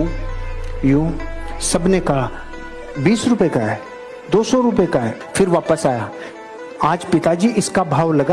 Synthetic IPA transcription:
jõːsɐbneka | biːsɾʊpekaɦɛ | d̪oːsɔ̃ɾʊpekaɦɛː | fɪɾʋaːpəsaːja | aːd͡ʒpɪt̪ad͡ʒiːʔɪskabʱaːʋlɐɡa

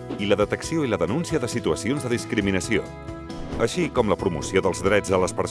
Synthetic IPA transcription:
iləðət̪əksioiləðənunsiəðəsit̪uəsionzðəðiskɾiminəsio̰ | əʃikɔmləpɾumṵsioðəlˠzðɾɛd͡zələspəɾs

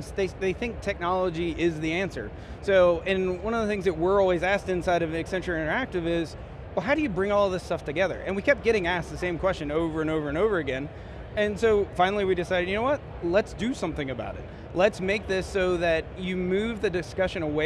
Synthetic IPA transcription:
sðeɪðeɪθɪ̃ŋk̚tʰɛk̚nɑlˠəd͡ʒiɪzðiæ̃nsə̰˞ | soʊʔɨ̃nwʌ̃nʌvðəθɪ̃ŋzðɨt̚wɪ˞ɔlˠwizæstɨ̃nsaɪɾʌvɨksɛ̃nt͡ʃɹ̥ə˞ɪ̃ñə˞æk̚tɨvɪz̥ | wɛlˠɦaʊɾɨjɨbɹɪ̃ŋɔlˠʌvðɪstʌftʰɨɡɛðə̰˞ʔɨ̃nwikʰɛp̚ɡ̥ɛɾɪ̃ŋæst̪̚ðɨsẽɪ̃mkʰw̥ɛst͡ʃɨ̃noʊvə˞ɨ̃noʊvə˞ɨ̃noʊvə˞ɨɡɛ̃n | ɨ̃nsoʊfãɪ̃nl̩ˠiwiɾɨsaɪɾɨd̚jɨnoʊwʌt̚ | lətsd̥ɨsʌ̃mθɪ̃ŋɨba̰ʊɾɨ̰t̚ | lətsmeɪk̚ðɪsoʊðɨt͡ʃɨmʉvðɨdɨskʌʃɨ̃nəwe

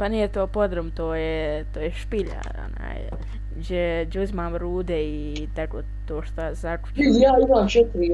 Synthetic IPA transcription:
panijet̪oːpod̪ɾomt̪oːjɛt̪oːjeʃpiʎa̰o̰na̰ːj | d͡ʒed͡ʒuzmaːmɾuːd̪ɛi | t̪akoː | t̪oːʃt̪azaku̥jaːimaːmʃɛt̪ʋi

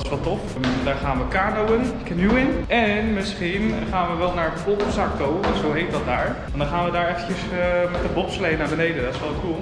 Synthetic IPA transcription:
ɪ̥sʋɛlˠtɔf | daːɹχaːnʋəkaːɹnowənkənuɪnɛnmɪsχinχaːnʋəʋɛlˠnaːɹəpotəsakːownsowɦejt̚dɑt̚daːɹ | ɛndɑnχaːnʋədaːɹɛfəcəsmɛtəbɔtslejnaːɹbənejdəndɔtɪsʋɛlˠətkulˠ

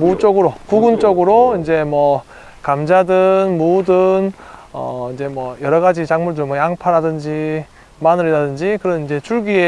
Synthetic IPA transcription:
mut͡ɕ͈oɡɯɾokuɡunt͡ɕ͈oɡɯɾoind͡ʑe̞mwʌ | kamd͡ʑadɯnmodɯnʌ̰ind͡ʑe̞mwʌjʌɾʌɣad͡ʑit͡ɕaŋmuɭdɯmwʌjaŋpʰaɾadɯnd͡ʑi | manɯɾidadɯnd͡ʑikɯɾʌnind͡ʑe̞t͡ɕʰuɭɡie

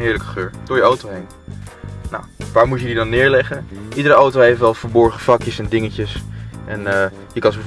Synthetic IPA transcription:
nɦɪːɹləkə̥χøːɹdɔjəowtowɦejn | na̰wʋaːɹmutjədidɑnːɪːɹlɛχəʔidəɾəowtowɦejftʋɛlˠfəɹbɔɹχəfɑkjəsɛndɪŋəcəsʔɛnə | jəkɑnsbə

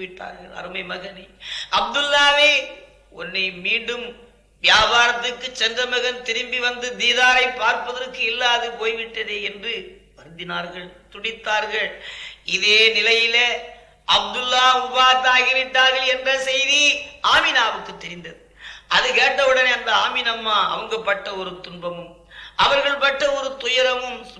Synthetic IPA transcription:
ʋɪʈːa̰ːɾɣɐɭɐ̰ɾɯmɐɪmɐɣɐnɐɐb̚d̪ɯlːaːʋeː | ɔnːɐɪmiːɳɖɯm | ʋjaːbaːɾɐt̪ːɯkːɯt͡ʃːɛndrɐmɐɣɐnt̪ɪɾɪmbiʋɐnd̪ɯd̪iːðaːɾɐɪpːaːɾpɐðɐrkːɯɪlːaːðɯpoːjʋɪʈːɐðeːɛndrɯ | ʋɐɾɯnd̪ɪnaːɾɣɐɭt̪ʊɽɪt̪ːaːɾɣɐɭɪðeːnɪlɐjɪleː | ʔɐb̚d̪ɯlːaːʊbaːt̪aːɣɪʋɪʈːaːɣɐlɛndrɐsɛjðiaːmɪnaːʋɯkːɯt̪ːɛɾɪnd̪ɐðɯʔɐðɯkeːʈːɐʋɯɽɐneːɐnd̪ɐaːmɪnɐmːaːɐ̰ʋɐŋɡɐpːɐʈːɐɔɾɯt̪ʊɳbɐmɯm | ɐʋɐɾɣɐɭpɐʈːɐɔɾɯt̪ʊjɐɾɐmɯm

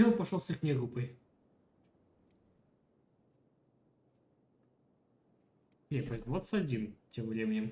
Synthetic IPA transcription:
onˠpɐʂolˠsixnʲɛɡupəj | epɐzʲnʲvɔt̪sɐd͡zʲimtʲemvɾʲemʲɪnʲɛm

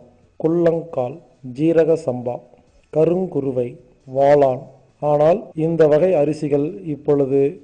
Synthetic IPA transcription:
kʊɭːɐŋkaːl | d͡ʒiːɾɐɣɐsɐmba̰ː | kɐɾɯŋkʊɾɯʋɐɪ | ʋaːɭaːn | aːnaːlɪnd̪ɐʋɐɣɐɪɐɾɪsɪɣɐɭɪpːɔɻɯðɯ

